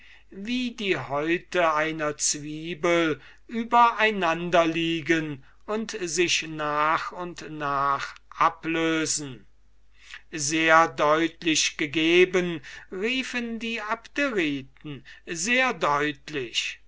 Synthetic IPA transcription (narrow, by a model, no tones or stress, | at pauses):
viːdiːɦɔʏtəaɪnɐt͡sv̥iːbəl | ʔyːbɐʔaɪnandɐliːɡən | ʊntzɪʃnaːχʊntnaːχʔapløːzn̩ | zeːɐdɔʏtlɪʃɡ̥əɡeːbənʁiːfəndiːapteʁiːtn̩zeːɐdɔʏtlɪʃ